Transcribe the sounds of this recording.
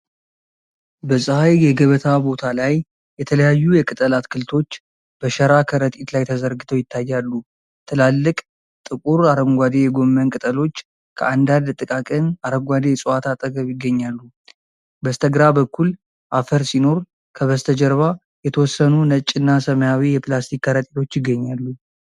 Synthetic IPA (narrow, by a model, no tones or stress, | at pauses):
bəsʼɨhajjɛɡəβət̪ʰabo̞t̪ʰalaj | jɛt̪ʰələjajːujɛkʼɨt̪ʼəlat̪kʰɨlt̪ʰo̞t͡ʃː | b̥əʃəɾakʰəɾət̪ʼit̪lajt̪ʰəzəɾɡɨt̪ʰəwjɪt̪ʰːajːalːu | t̪ʰɨlalːɨkʼ | t̪ʼɨkʼuɾaɾəŋɡʷad̪ejɛɡo̞mːənkʼɨt̪ʼəlo̞t͡ʃː | kʰəand̪and̪t̪ʼɨkʼakʼɨnaɾəŋɡʷad̪ejɛsʼuat̪ʰat̪ʼəɡəβjɪɡːəɲːalːu | bəst̪ʰəɡɾabəkːul | ʔafəɾsino̞ɾ | kʰəβəst̪ʰəd͡ʒəɾβa | jɛt̪ʰəwɔsːənunət͡ʃʼɨnːasəməjawijɛplast̪ʰikːəɾət̪ʼit̪ʰo̞t͡ʃːjɪɡːəɲːalːu